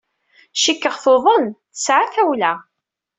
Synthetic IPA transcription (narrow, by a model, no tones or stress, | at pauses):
ʃikːəʁθoðˤənθəsʕaθæwlæ